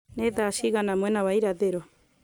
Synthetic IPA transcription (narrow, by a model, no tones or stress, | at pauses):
nɛðaʃiɣanamwɛnawaiɾaðeɾɔ